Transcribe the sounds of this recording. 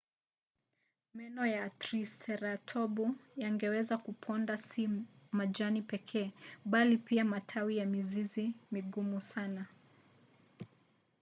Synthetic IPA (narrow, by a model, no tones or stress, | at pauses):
mɛnɔjatɾisɛɾatʰɔbujaŋɡɛwɛzakupʰɔndasimad͡ʒanipɛkʰɛːɓalipiamatʰawijamizizimiɡumusana